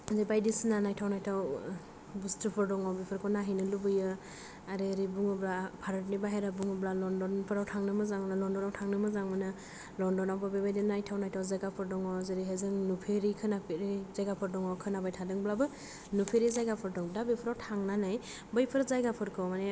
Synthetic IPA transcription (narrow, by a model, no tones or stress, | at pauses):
zebajdisnanajtʰawnajtʰaw | bustʰɯpʰɯɾdɔŋɔbipʰɯɾkʰɔnaɦinɯlubɯjɯ | aɾeɾibuŋɔblapʰaɾɔtnibaɦeɾabuŋɔblalɔndɔnpʰɯɾawtʰaŋnɯmɯzaŋmnalɔndɔnawtʰaŋnɯmɯzaŋmɯnɯ | lɔndɔnawbabebajdinajtʰawnajtʰawzajɡapʰɯɾdɔŋɔzeɾiɦezɯŋnupʰeɾikʰɯnapʰeɾizajɡapʰɯɾdɔŋɔkʰɯnabajtʰadɯŋblabɯ | nupʰeɾizajɡapʰɯɾdɔŋbdabepʰɯɾawtʰaŋnanaj | bɯjpʰɯɾzajɡapʰɯɾkʰɔmane